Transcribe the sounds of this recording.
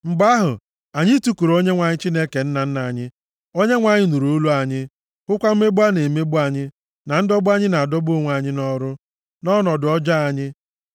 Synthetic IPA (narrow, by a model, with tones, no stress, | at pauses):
ŋ͡m̩˨ɡ͡ba˦ɦʊ̰˨ | a˨ɲɪ˦tu˦ku˨ɾo˦ɲe˦ŋʷa˨ɲɪ˦t͡ʃi˦ne˦ke˨n̩˦na˨n̩˦na˨ɲɪ˦ | o˦ɲe˦ŋʷa˨ɲɪ˦nu˨ɾo˨˦lu˦a˨ɲɪ˦ | kʊ˦kʷa˦m̩˦me˦bu˦a˦ne˨me˦bu˦a˨ɲɪ˦ | na˨n̩˦dɔ˦bʊ˦a˦ɲɪ˦na˨a˨dɔ˦bʊ˦˨ŋʷa˨ɲɪ˦nɔ˦ɾʊ˦ | nɔ˦nɔ˨dʊ˨ɔ˦d͡ʒa˦a˦ɲɪ˦